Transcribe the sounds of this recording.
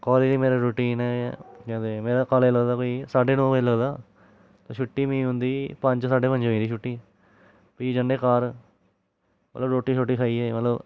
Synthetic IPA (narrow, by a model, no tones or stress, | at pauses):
kɔːliliːmeːɾaːɾoːʈiːnɛːkɛ̃ːd̪eːmeːɾaːkaːleːləɡd̪aːkoːisaːɖeːnõːpailəɡd̪aː | t̪oːʃʰʊʈːiːmĩːɦʊ̃nd̪iːpə̃ɲd͡ʒd͡ʒsaːɖeːpə̃ɲd͡ʒõːĩːd̪iːʃʊʈːiː | piːd͡ʒəɳɖeːkaːɾ | mə̰t̪ləbɾoːʈːiːʃoʈːiːkʰaːiːɛːmət̪ləb